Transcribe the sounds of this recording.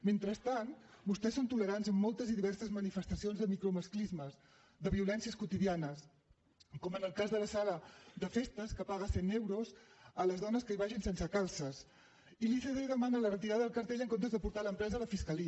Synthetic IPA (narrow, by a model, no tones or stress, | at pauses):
ment̪ɾəst̪anbust̪ɛsont̪uləɾanzəmːɔlˠt̪əzðiðiβɛrsəzmənifəst̪əsionzðəmikɾuməsklizməz | ðəβiulɛnsiəskut̪iðianəs | kɔmənəlˠkazðələsaləd̪əfest̪əskəpaɣ̞əsenewɾuzələzðɔnəskəiβaʒinsɛnsəkalˠsəs | iliθeðeðəmanələrət̪iɾaðəðəlˠkəɾt̪eʎəŋkont̪əzðəpuɾt̪aləmpɾɛzələfiskəliə